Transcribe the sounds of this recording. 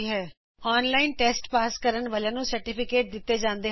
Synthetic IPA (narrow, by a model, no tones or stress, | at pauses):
ɦɛː | ɔːnlaːɪnʈɛːsʈpaːskəɾənʋəlãːnũːsəɾʈɪpʰɪkeːʈ̚d̪ɪt̪ːeːd͡ʒãːnd̪eː